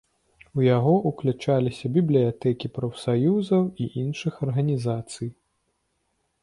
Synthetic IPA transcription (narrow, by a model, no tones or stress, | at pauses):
ujaɣɔʔuklʲut͡ʂalʲisʲɐbʲiblʲijat̪ɛkʲipɾɐfsajuzɐwiʔinʂɨxɐrɣɐnʲizat̪sɨj